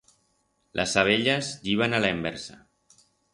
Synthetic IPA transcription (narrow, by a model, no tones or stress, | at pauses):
lʔə̰saβ̞eʎəziβ̞analaembɛɾsa